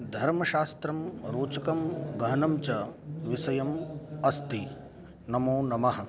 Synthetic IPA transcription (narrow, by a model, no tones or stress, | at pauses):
d̪ʱɐɾmɐʃaːst̪ɾɐmɾoːt͡ʃɐkɐmɡɐɦɐnɐmt͡ʃɐʋisɐjɐmɐst̪i | nɐmoːnɐmɐɦɐ̆